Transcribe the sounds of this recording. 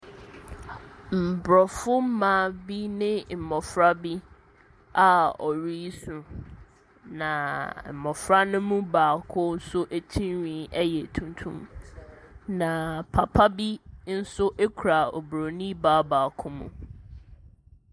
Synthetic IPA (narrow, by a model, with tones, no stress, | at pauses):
m̩˨bɾɔ˨fʊ˦m̩˦mã˨˦˨bi˦nɪ̃˦m̩˨mɔ˨fɾa˦bi˦ | a˨ɔ˨ɾi˦sũ˨ | nã˨m̩˨mɔ˨fɾa˦nʊ̃˦mũ˦baː˨kʰʊ˦n̩˦sʊ˦ʔe˨tʰĩ˦nɥĩ˨˦ɛ˦jɛ˨tʰũ˨ntʰṵ̃˦m | nã˨pʰa˨pʰa˦bi˦n̩˦sʊ˦ʔe˦kʰu˨ɾa˨ɔ̰˨bɾo˨nĩ˦baː˦baː˨kʰʊ˦mṵ̃˨